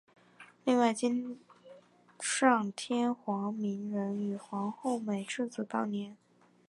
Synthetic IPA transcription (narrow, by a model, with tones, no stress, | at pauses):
li˥˧ŋwa˥˩ɪt͡ɕi˥n | ʂɑ˥˩ŋt̪ʰjɛ˥nxwɑ˧˥ŋmi˧˥nɻə˧˥ny˨˩xwɑ˧˥ŋxo˥˩ʊme˨˩ɪʈ͡ʂɻ̩˥˩t͡sɹ̩˨˩t̪ɑ˥˩ʊnjɛ˧˥n